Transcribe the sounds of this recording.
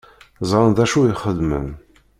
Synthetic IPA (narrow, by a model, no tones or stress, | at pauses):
zˤɾənðæʃuiχəðmə̰n